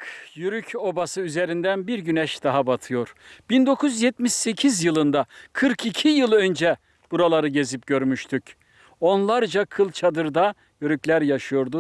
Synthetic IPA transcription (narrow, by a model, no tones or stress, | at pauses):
kjyɾycʰo̞basɯyze̞ɾind̪ænbiɾɟynɛʃd̪aɦabat̪ʰɯjo̞ɾb̥ind̪o̞kʰuzjɛt̪miʃsecʰizjɯlˠɯnd̪akʰɯɾkʰicʰijɯlˠø̞nd͡ʒɛ | b̥uɾalˠaɾɯɟe̞zip̚ɟ̥ø̞ɾmyʃt̪ʰyc | o̞nlˠaɾd͡ʒakʰɯlˠt͡ʃʰad̪ɯɾd̪a | jyɾyclʲæɾjaʃɯjo̞ɾd̪u